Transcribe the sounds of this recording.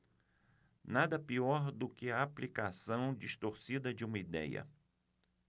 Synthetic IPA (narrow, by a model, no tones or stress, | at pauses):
nad̪ɐpiɔɾd̪ʊkɪɐaplikasɐ̃w̃d͡ʒiʃt̪oɾsid̪ɐd͡ʒɪũmɐid̪ɛ̰jɐ̰